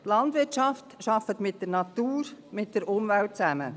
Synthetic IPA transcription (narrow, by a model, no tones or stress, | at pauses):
lɑndʋɪɾt͡ʃɑftʃɑfət̪mɪt̚d̥əɾnɑt̪uːɾmɪt̚d̥əɾʊmvælt̚t͡sæmə̰